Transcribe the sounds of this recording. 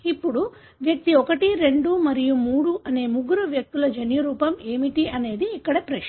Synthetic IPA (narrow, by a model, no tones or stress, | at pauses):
ipːuɽu | ʋjɐk̚t̪iɔkɐʈiɾe̞ɳɖumɐɾijumuːɽuʔɐne̞ːmuɡuɾuʋjɐk̚t̪ulɐd͡ʒɐnjuɾuːpɐme̞ːmiʈiɐne̞ːd̪iːkːɐɽɐpɾɐ